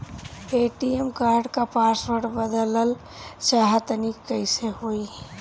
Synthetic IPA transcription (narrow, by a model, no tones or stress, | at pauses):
eʈiemkaɾɖkapaspəɾʈbəd̪ləl | t͡ʃaɦət̪nikkːəɪseɦoj